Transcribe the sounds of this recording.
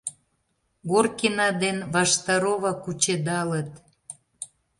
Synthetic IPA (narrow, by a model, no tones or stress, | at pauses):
ɣorkinɑd̪enβɑʃt̪ɑɾoβɑkut͡ɕed̪ɑlət̪